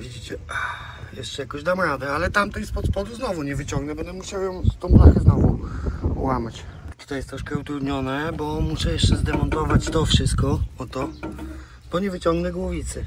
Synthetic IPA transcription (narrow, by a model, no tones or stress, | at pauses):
vʲid͡ʑit͡ɕɛa | jɛʂt͡ʂɛjakɔ̃jd̪amɾad̪ɛalɛt̪amt̪ɛnspɔt̪spɔd̪uznɔvuɲɛvɘt͡ɕɔ̃ŋɡnɛbɛnd̪ɛmuɕawjɔ̃w̪̃t̪ɔ̃w̃blaxɛznɔvṵwamat͡ɕt̪u̥t̪ajɛst̪ɾɔʂkɛut̪ɾud̪ɲɔnɛbɔmuʂɛjɛʂt͡ʂɛzd̪ɛmɔnt̪ɔvat͡ɕt̪ɔfʂɘst̪̚kɔɔt̪ɔ | b̥ɔɲɛvɘt͡ɕɔŋɡnɛɡwuvʲit̪sɘ